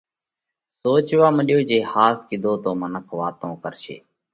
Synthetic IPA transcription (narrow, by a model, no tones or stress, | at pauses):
soːt͡ʃʋaːməɗɪjoːd͡ʒeːhaːskɪd̪ʱoːt̪oːmənəkʰʋaːt̪õːkəɾʃḛː